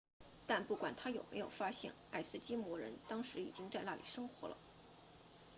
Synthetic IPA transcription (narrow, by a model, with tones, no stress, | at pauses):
t̪a˥˧npu˥˩kwa˨˩nt̪ʰa˥jo˨˩ʊme˧˥ɪjo˨˩ʊfa˥ɕjɛ̰˥˩na̰˥˧ɪsɹ̩˥˧t͡ɕi˥mwɔ˧˥ɻə̰˧˥nt̪ɑ˥ŋʂɻ̩˧˥ḭ˨˩t͡ɕi˥ŋt͡sa˥˧ɪna˥˩lḭ˨˩ʂɤ˥ŋxwɔ˧˥lə̰˧